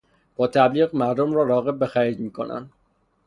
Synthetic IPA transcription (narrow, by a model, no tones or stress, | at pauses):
b̥ɒːt̪ʰæbliːɣmæɾd̪omɾɒːɾɒːɣe̞b̚ːe̞xæɾiːd͡ʒ̪miːkʰo̰næ̰nd̪